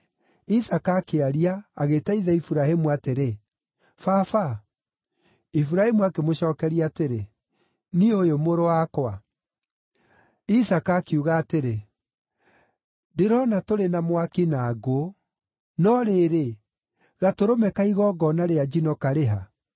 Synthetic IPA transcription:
isakaːkeaɾiaːɣetaiðɛifuɾahemuateɾe | fafa | ifuɾahemuakemoɕɔːkɛɾiateɾe | niojomoɾowakwa | isakaːkeuɣaːteɾe | deɾɔnatoɾenamwakinaɡo | nɔɾeːɾe | ɣatoɾomɛkaiɣɔːɡɔnaɾead͡ʒinɔkaɾeɦa

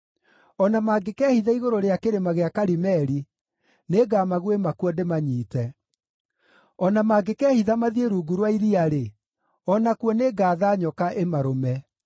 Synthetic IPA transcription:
ɔnamaːɡekɛːhiðaiɣoɾoɾeakeɾemaɣeakaɾimɛɾi | neɡaːmaɣwemakwɔdemaɲiːtɛ | ɔnamaːɡekɛːhiðamaðieɾuːɡuɾwaiɾiaɾe | ɔnakwɔneɡaːðaɲɔkaʔemaɾomɛ

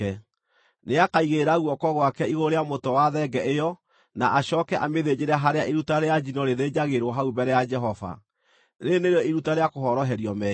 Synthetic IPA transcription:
ɛ | neakaiɣeɾaɣwɔkɔɣwakɛiɣoɾeamotɔwaðɛɡɛʔejɔ | naʔaɕɔːkɛʔameðed͡ʑeɾaɦaɾeaʔeɾutaɾead͡ʒinɔɾeðed͡ʑaɣeɾwɔɦaubɛɾɛjad͡ʒɛɦɔva̰ | neneɾeɔiɾutaɾeakoɦɔɾɔɦɛɾjɔmɛ

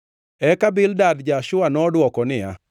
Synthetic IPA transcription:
ɛkabɪldadd͡ʒaʃʊanɔdwɔkɔnɪja̰

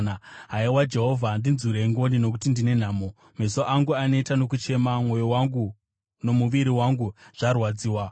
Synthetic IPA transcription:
aɦaiwad͡ʒe̞ɦo̞vʱandinzuɾeŋɡo̞nino̞k̬utindine̞n̤aːmo | mesoʔaŋɡuanetano̞k̬ut͡ʃe̞mamwo̞jo̞waŋɡu | no̞muʋiɾiwaŋɡuʐ̥arwad͡ziːwa

